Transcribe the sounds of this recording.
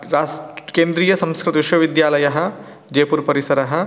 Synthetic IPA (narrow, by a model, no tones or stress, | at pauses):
ɾaːskeːnd̪ɾiːjɐsɐ̃mskɾɪt̪ʋiʃʋɐʋid̪jaːlɐjɐɦɐ̆ | d͡ʒeːpuɾpɐɾisɐɾɐɦɐ̆